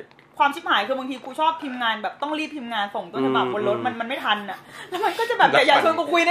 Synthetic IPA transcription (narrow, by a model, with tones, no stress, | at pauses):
kʰwaː˧mkʰi˦˥t̪̚haː˩˦jkʰɯː˧ba˧ŋt̪ʰiː˧kʰuː˧t͡ɕʰɔː˥˩p̚p̪ʰi˧mŋaː˧nbɛː˨˩p̚t̪ɔ˥˩ŋɾiː˥˩p̚t̪ʰiː˧mŋaː˧nso˨˩ŋt̪u˧ənsʰa˧ba˨˩k̚ko˧nlɾo˦˥t̪̚ma˧nma˧nma˥˩jt̪ʰa˧nːa˨˩lɛ˦˥ma˧nkɔː˥˩t͡ɕa˨˩bɛː˨˩pt͡ɕa˨˩jaː˧t͡ɕʰo˧nkʰu˧kʰu˧jn˥